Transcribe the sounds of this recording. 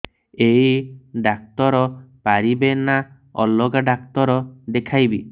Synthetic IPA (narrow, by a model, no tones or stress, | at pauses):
ejiɖak̚t̪ɔɾɔpaɾibena | ɔlɔɡaɖakt̪ɔɾɔd̪ekʰajbi